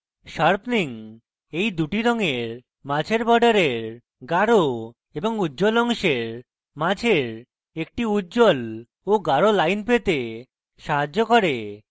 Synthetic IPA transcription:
ʃaɾpniŋ | ejd̪uʈiɾɔŋeɾ | mãd͡ʑʱeɾbɔɖaɾeɾ | ɡaɾo | eboŋudd͡ʑolɔŋʃeɾ | mad͡ʑʱeɾ | ek̚ʈiudːd͡ʑol | oɡaɾolajnpet̪e | ʃaɦad͡ʑokɔɾe

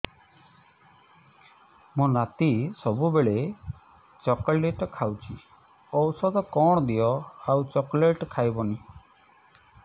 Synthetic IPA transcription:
mõnat̪isɔbubeɭe | t͡ʃɔkɔɭeʈɔkʰawt͡ʃʰi | ɔwsɔd̪ɔkɔɽ̃ɔd̪ijɔawt͡ʃɔkɔleʈkʰajbɔni

